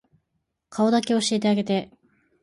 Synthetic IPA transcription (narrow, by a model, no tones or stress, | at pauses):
kʰao̞d̪akʲe̞o̞ɕeːt̪̬e̞aɡe̞t̪e̞